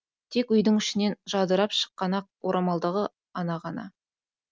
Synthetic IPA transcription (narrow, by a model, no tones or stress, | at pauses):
t̪ʰe̞kʏjd̪əŋʏʃɪne̞nʒɑd̪əɾɑpʃə̥qːɑnɑq̚wo̞ɾʔɑmɑlˠd̪əʁə | ɑnɑʁɑnɑ̰